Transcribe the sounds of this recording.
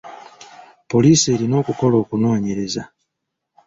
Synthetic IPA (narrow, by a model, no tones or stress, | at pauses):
poliselinokukolokunoɲeɾeza